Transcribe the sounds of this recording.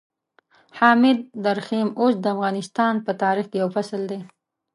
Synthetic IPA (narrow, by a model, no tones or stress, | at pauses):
hɑmɪd̪̚ːaɾximosd̪əafɣɑnɪst̪ɑnpət̪ɑːɾixkejawfasəld̪e